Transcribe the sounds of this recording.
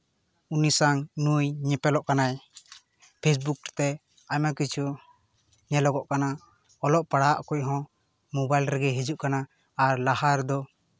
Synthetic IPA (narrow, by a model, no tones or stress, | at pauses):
unisaŋnujɲɛpɛlɔʔkanaj | pʰes̬buk̚t̪ɛ | ajmakit͡ʃʰu | ɲɛlɔɡɔʔkana | ɔlɔʔpaɽaaʔkuc̚ˀɦɔ̃ | mɔbajlɾɛɡɛɦid͡ʒuʔkanaː | ɾlahaɾd̪ɔ